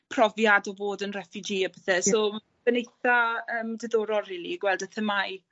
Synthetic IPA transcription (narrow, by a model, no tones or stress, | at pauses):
pʰrɔvjadɔvoːdənrɛfɨd͡ʒiːəbəθɛsoː | v̥ənejθaəːmdəðoːɾɔlˠriːlˠiɡwɛlˠdəθəmaj